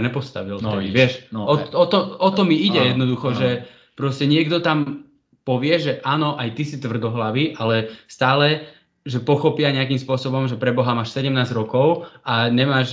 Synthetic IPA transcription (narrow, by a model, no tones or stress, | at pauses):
ɲɛpɔst̪a̰ʋilɔɪɛʃɔɔt̪ɔɔt̪ɔmiiɟɛjɛd̪nɔd̪uxɔʒɛ | pɾɔscɛɲɪɛɡd̪ɔt̪am | pɔʋɪɛʒɛʔaːnɔʔajt̪isit̪ʋr̩d̪ɔɦlaʋiʔalɛst̪aːlɛ | ʒɛpɔxɔpɪaɲɛakimspʊɔsɔbɔmʒɛpɾɛbɔɦamaːʃsɛɟɛmnaːzɾɔkɔʊʔaɲɛmaːʒ